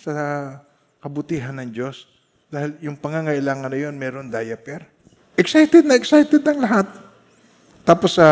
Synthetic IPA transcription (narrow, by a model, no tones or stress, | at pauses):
sɐ | kɐbʊt̪iːɦɐnːɐŋd͡ʒo̞s | d̪aːhɪljʊŋpɐŋaŋɐʔɪlaːŋɐnːɐjo̞nmɛːɾo̞nd̪aːjɐpɛɾ | ʔɛksajt̪ɛd̪̚nɐʔɛksajt̪ɛd̪ɐŋlɐɦat̪̚ː | aːpo̞sɐ